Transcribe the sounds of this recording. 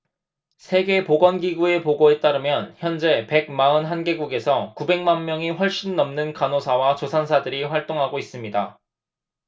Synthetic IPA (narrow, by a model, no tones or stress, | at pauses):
sʰe̞ɡe̞poɡʌnɡiɡue̞poɡoe̞t͈aɾɯmjʌnçjʌnd͡ʑe̞pe̞ɡ̚maɯnɦanɡe̞ɡuɡe̞sʰʌkube̞ŋmanmjʌŋiɸwʌɭɕ͈inːʌmnɯnkanosʰawat͡ɕosʰansʰadɯɾiɸwaɭt͈oŋɦaɡois͈ɯmɲida